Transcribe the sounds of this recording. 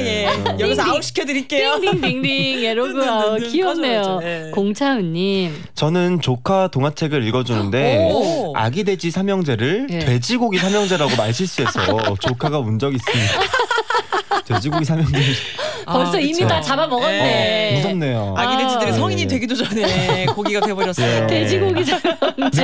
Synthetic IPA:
jejʌɡioɕi̥kʰjʌdɯɾik͈eoniŋdiŋniŋeɾoɡuaokiʌnːe̞jokoŋt͡ɕʰaɯɲːim | t͡ɕʌnɯnt͡ɕokʰatoŋɦat͡ɕʰe̞ɡɯɾiɭɡʌd͡ʑunɯnde̞ | a̰ɡide̞d͡ʑisʰamjʌŋd͡ʑe̞ɾɯɭtwe̞d͡ʑiɡoɡis̬ʰamjʌŋd͡ʑe̞ɾaɡomaɭɕʰiɭs͈ue̞sʰʌt͡ɕokʰaɡamund͡ʑʌɡis͈ɯmɲida | twed͡ʑiɡoɡisʰamjʌŋd͡ʑe | ʌs͈ʰʌimitat͡ɕabamʌɡʌnːemusʰʌnːejoaɡided͡ʑidɯɾisʰʌŋiɲidwe̞ɡidod͡ʑanekoɡiɡatwebʌɾjʌs͈twed͡ʑiɡoɡisʰamjʌŋd͡ʑe

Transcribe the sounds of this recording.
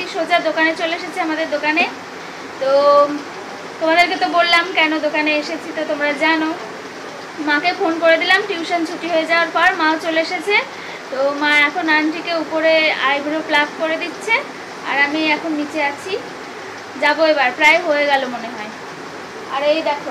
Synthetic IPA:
iʃod͡ʑad̪okanet͡ɕoleeʃet͡ɕʰeamad̪eɾd̪okane | t̪o | t̪omad̪eɾket̪obolːamkɛnod̪okaneeʃet͡ɕʰit̪ot̪omɾad͡ʑano | makefonkoɾed̪ilamʈjuʃont͡ɕʰoʈiɦoed͡ʑaoaɾpɔɾmãot͡ɕoleeʃet͡ɕʰe | t̪omaɛkʰonanʈikeupoɾea̰jbʱuɾoplafkoɾed̪itːɕʰe | a̰ɾamiɛkʰonːit͡ɕʰeat͡ɕʰi | d͡ʑaboebaɾpɾaeɦoeɡɛlomoneɦɔe | aɾejd̪ɛkʰo

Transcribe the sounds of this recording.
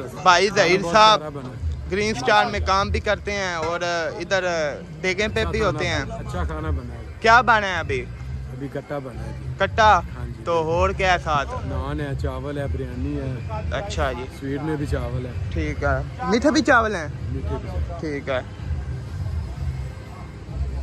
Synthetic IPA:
bʱaːizəɦiːɾsaːb | ɡɾiːnsʈaːɾmẽkaːmbʱikəɾt̪eɦɛ̃ːɔːɾɪd̪əɾ | b̪eːɡẽpẽiɦoːt̪eɦɛ̃ːt͡ʃʰakaːnabənː | kjaːbaːnaɦɛəbʱiː | əbʱikəʈːaːbənakəʈːaːɦãːd͡ʒit̪oːɦoːɾkɛːsaːt̪ʰnaːnɦɛːt͡ʃaːʋəlɛːbəɾjaːniːɦɛːətːʃʰad͡ʒiːswiːʈmẽbʱiːt͡ʃaːʋəlɛːʈʰiːkɦɛːmɪʈ̪ʰːbʱit͡ʃaːʋəlɦɛ̃ːmɪʈʰbiʈʰiːkɦɛː

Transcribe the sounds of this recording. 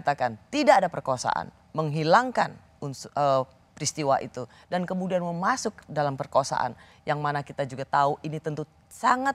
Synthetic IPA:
t̪akant̪idaːdapərkoasa̰ʔa̰n | məŋɦilaŋkan | unsə | pɾist̪iwaʔḭt̪u | dankəmudianməmasʊk̚dalampərkəasa̰ʔa̰n | jaŋmanakit̪ad͡ʒuɡat̪auʔinit̪ənt̪u | saŋat̪̚

